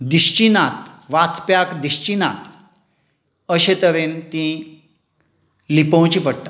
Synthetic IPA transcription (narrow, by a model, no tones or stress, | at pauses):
d̪iɕt͡ɕinat̪ʋat͡spjakd̪iɕt͡ɕinat̪ | əɕet̪əʋent̪ĩ | lipə̃w̃t͡ɕipəɽt̪a